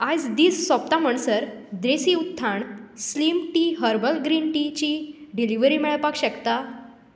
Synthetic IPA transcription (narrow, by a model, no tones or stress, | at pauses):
ad͡zd̪iːsːɔp̚t̪am̤əɳsəɾ | d̪ɾesiut̪ʰːaɳslimʈiːɦəɾbəlɡɾinʈit͡ɕiɖiliʋɾiːmɛɭpakɕəkt̪a